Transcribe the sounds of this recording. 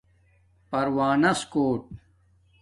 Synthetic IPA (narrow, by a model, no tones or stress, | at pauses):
pɐɾwaːnɐskoːʈ̚